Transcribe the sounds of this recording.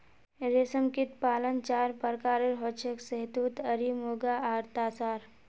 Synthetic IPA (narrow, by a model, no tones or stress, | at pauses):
ɾesəmkit̪paːlənt͡ʃaːɾpəɾkaːɾeɾɦɔt͡ʃʰeksəɦt̪uːt̪əɾimuɡaaːɾt̪aːsaːɾ